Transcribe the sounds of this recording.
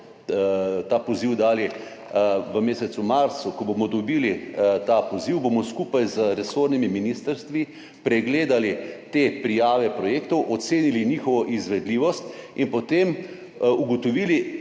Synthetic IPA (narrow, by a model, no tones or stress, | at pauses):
t̪aːpɔziwd̪aːli | ʋəmeːsɛt̪sumaɾt̪sukɔbomɔd̪ɔbiːlit̪aːpoziwbomɔskupajzəɾɛsoɾnimiminiːst̪əɾst̪ʋi | pɾɛɡleːd̪alit̪epɾijaːʋɛpɾɔjeːkt̪ɔwʔɔt̪seːnilinixɔʋɔʔizʋɛd̪liːʋɔst̪inpɔt̪em | uɡɔt̪ɔʋiːli